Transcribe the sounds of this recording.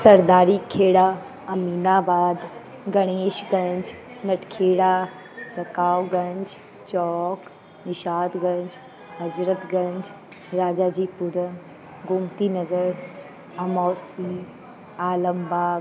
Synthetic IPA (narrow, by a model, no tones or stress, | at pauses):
sɐɾd̪aːɾikʰeːɽa | ɐmiːnaːbaːd̪ | ɡɐɽ̃eːʃɡɐ̃ɲd͡ʒ | nɐʈʰkʰeːɽa | ɾɐkaːwɡɐ̃ɲd͡ʒ | t͡ʃɔːk | nɪʃaːd̪ɡɐ̃ɲd͡ʒ | ɦɐd͡ʒɾət̪ɡɐ̃ɲd͡ʒ | ɾaːd͡ʒaːd͡ʑiːpʊɾən | ɡʱʊmt̪inɐɡəɾ | ɐmɔːsi | aːləmbaː